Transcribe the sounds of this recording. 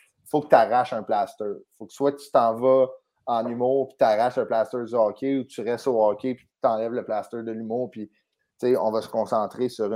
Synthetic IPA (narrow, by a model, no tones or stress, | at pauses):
fokət̪aʁaʃœ̃plaːst̪œːʁfokswat̪y̥t̪ɑ̃ːvʌ | ɑ̃nymuːʁpi̥t̪aʁaʃɛ̃plaːst̪œːd̪yɑːkʲʰeut̪yʁɛst̪oːɔːkʲepi̥t̪ɑ̃ːlɛvləplaːst̪œːd̪əlymʊːʁpi | t͡seɔ̰̃ːvɑsə̥kɔ̃ːsɑ̃ːt̪ʁesyʁ